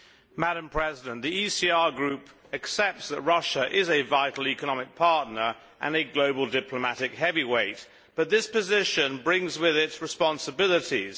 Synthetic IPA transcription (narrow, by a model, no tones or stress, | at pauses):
mæɾə̃mpʰɹ̥ɛzɪdə̃nðiisiɑɹɡɹʉp | ɨksɛp̚tsðəʔ̚ɹʌʃəʔɪzɨvaɪɾˡl̩ˠikənɑmɪk̚pʰɑɹtⁿnə˞ | ʔɨ̰̃nɨɡloʊbəl̩ˠdɪpʰləmæɾɨkɦɛviweɪt̚ | b̥ʌt̪̚ðɪspɨzɪʃɨ̃nbɹɪ̃ŋzwɪðɪtsɹɨspɑ̃nsəbɪlˠəɾiz̥